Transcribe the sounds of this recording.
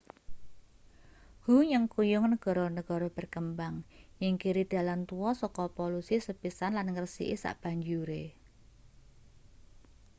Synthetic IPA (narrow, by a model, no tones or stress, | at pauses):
ɡuɲəŋkujuŋnəɡ̥ɔ̤ɾɔnəɡ̥ɔ̤ɾɔb̥ə̤rkəmbaŋjɪŋkiɾid̪̥a̤lant̪uɔsɔkɔpolusisəpisanlanŋərsḭʔisa̰ʔb̥a̤ɲd͡ʒuɾe